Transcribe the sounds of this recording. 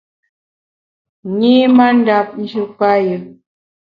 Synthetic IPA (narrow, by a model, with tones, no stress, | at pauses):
ɲe˦ma˦n˦da˦˨p̚n̩˦d͡ʒu˦pa˦jə˨